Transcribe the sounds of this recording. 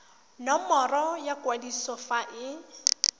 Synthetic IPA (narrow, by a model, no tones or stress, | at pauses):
nɔmɔrɔjakwadisɔfaʔɪ